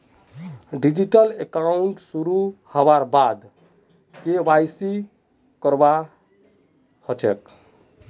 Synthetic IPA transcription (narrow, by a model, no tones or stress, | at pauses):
ɖid͡ʒiʈəlekauɳʈsuɾuhəbaɾbad̪ | kebajsi | kəɾba | hɔt͡ʃʰɛk